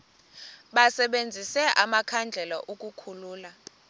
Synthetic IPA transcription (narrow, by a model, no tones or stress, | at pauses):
ɓasɛɓend͡zʱisɛʔamakʰand͡ɮʱɛlɔʔuk̬ʼukʰuluːla